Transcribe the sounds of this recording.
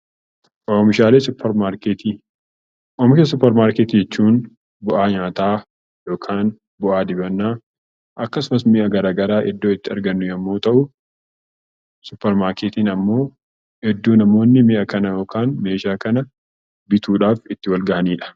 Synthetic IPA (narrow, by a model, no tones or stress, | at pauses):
ʔoːmɪʃaːle̞ːsʊpʰːɛɾmaːɾkeːt̪i | ʔoːmɪʃɐs̬ʊpːɛɾmaːɾkeːt̪ːd͡ʒɛt͡ʃːuːn | bʊʔaːɲaːt̪aː | jo̞ːkʰaːn | bʊʔaːd̪ɪbɐnːaː | ʔɐkːɐsʊmɐsmɪʔɐɡɐɾaːɡɐɾaːʔɛd̪ːoːɪt̪ːɪɐɾɡɐnːʊjɐmːoːt̪ɐʔʊ | sʊpːɛɾmaːɾkeːt̪iːnɐmːo̞ː | hɛd̪ːuːnɐmo̞ːnːɪmɪʔɐkɐnɐjo̞ːkaːnme̞ːʃaːkɐnɐ | bɪt̪uːᶑaːfɪt̪ːɪwɐlɡɐʔɐniːᶑɐ̥